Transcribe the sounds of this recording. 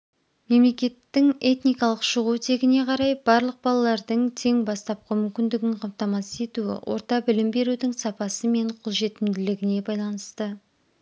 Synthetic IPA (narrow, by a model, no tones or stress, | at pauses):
me̞mle̞kʲe̞t̪ːɪŋe̞t̪nijkɑlˠəqʃəʁut̪ʰe̞ɡʲɪne̞qʰɑɾɑjb̥ɑɾlˠəq̚bɑlˠɑlˠɑɾd̪əɴt̪ʰe̞ŋbɑst̪ɑp̚qəmʏmkʲɪnd̪ɪɡʲɪɴqʰɑmt̪ɑmɑse̞t̪uɪ̰wʔo̞̰ɾt̪ɑbɪlɪmbe̞ɾud̪ɪŋsɑpɑsəme̞ɴqʰolˠʒe̞t̪ɪmd̪ɪlɪɡʲɪne̞bɑjlˠɑnəst̪ə